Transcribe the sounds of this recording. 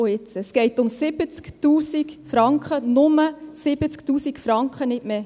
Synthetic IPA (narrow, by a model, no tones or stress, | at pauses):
oɪt͡sɛsɡ̥ɛɪtʊmsɪb̥ət͡sktuːsikfɾɑŋkχənʊməsɪbət͡sktuːsikfɾɑŋkχənɪtme